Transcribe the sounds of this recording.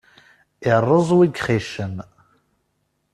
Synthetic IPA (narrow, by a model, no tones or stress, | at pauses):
irəzˤwiɡʲχeːʃən